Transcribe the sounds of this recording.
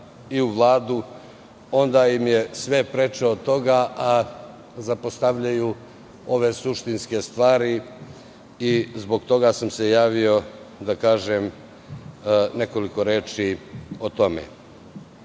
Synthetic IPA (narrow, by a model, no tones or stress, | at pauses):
iuʋlˠaːd̪u | o̞nd̪aimje̞sʋe̞pɾe̞t͡ʃeot̪o̞ɡaʔa | zapo̞st̪aʋʎaju | o̞ʋe̞suʃt̪inske̞st̪ʋaːɾi | izbo̞ɡt̪o̞ɡasamse̞jaːʋio̞d̪akaːʒem | ne̞ko̞liko̞ɾeːt͡ʃiot̪o̞mḛ